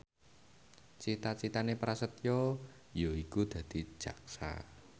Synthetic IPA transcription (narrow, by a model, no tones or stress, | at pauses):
t͡ʃit̪at͡ʃit̪anepɾasət̪jɔ | joikud̪̥ä̤d̪̥i̤̥ʒ̥a̤k̚sa̰